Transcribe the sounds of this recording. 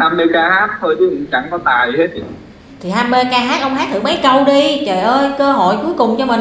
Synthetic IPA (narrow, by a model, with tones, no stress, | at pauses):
aː˧mːɨ˧kaː˧haː˦˥k̚t̪ʰo˧jti˨˦ʔḭ˨ŋt͡ɕa̰˧˩ŋkɔ˨˦t̪aː˨˩jhe˦˥t̪̚i˨˩ | t̪ʰi˨˩ɦaː˧mːeː˧kaː˧ɦaː˦˥k̚ʔə˧wŋ͡mɦaː˦˥t̚t̪ʰɨ̰˧˩mə˨˦jkə˧wɗi˧t͡ɕə̰˧˨ʔəː˧jkəː˧ɦo̰˧˨jku˨˦əjkʊ˨˩ŋ͡mt͡ɕɔ˧mə̈˨˩n